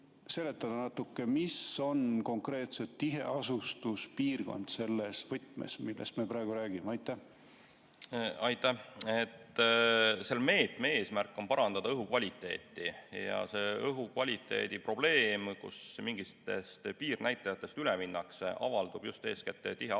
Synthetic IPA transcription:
se̞le̞t̪ːˑɑd̪̥ɑnɑt̪ːukːe̞miso̞nko̞ŋkre̞ːt̪se̞t̪ːiɦe̞ɑsust̪uspiːrɡ̥o̞̰nd̪̥se̞lːesvɤt̪ˑmḛsmilːḛst̪miepɾɑeɡ̥uɾæːɡ̥imeɑjt̪ːˑæh | ɑjt̪ːˑæhet̪ː | selme̞ːt̪ˑmee̞ːsmærkːˑo̞npɑɾɑnd̪ɑd̪ɑɤɦukvɑlʲit̪ˑːe̞ːt̪ːˑijɑ̰se̞ɤɦukvɑlʲit̪ːˑe̞̰ːd̪ipro̞b̥le̞ːmkṵsmiŋɡist̪e̞̰st̪piːrnæjt̪ːˑɑjɑt̪ːˑe̞st̪yleminːɑkseʔɑ̰vɑld̪ub̥just̪e̞ːsket̪ːˑt̪iɦe

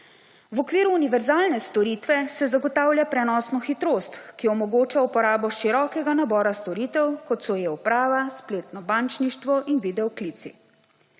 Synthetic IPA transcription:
wɔkʋiːɾuːniʋɛɾzaːlnɛst̪ɔɾiːt̪ʋɛsɛzaɡɔt̪aːwljapɾɛnɔːsnɔxit̪ɾoːst̪kiɔmɔɡoːt͡ʃaupɔɾaːbɔʃiɾɔːkɛɡanabɔːɾast̪ɔɾiːt̪ɛwkɔt̪sɔjɛupɾaːʋaspleːt̪nɔbant͡ʃniʃt̪ʋɔʔinʋid̪ɛɔklit̪sḭ

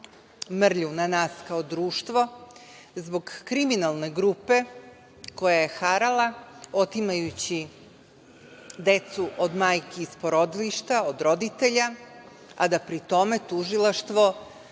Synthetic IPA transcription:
mr̩ʎunanaːskao̞d̪ɾuːʃt̪ʋo̞ | zbo̞ɡːɾiminalˠne̞ɡɾupe̞ | ko̞jaje̞xaɾalˠao̞t̪imajut͡ɕi | d̪e̞t̪suʔod̪maːjkiːspoɾo̞d̪iliʃt̪aod̪ɾo̞d̪it̪e̞ʎa | ad̪apɾit̪o̞me̞t̪uʒilˠaʃt̪ʋo̞

